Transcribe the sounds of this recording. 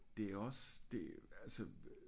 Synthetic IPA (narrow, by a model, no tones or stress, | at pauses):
d̥e̝æɐɒ̽sd̥e̝ælsə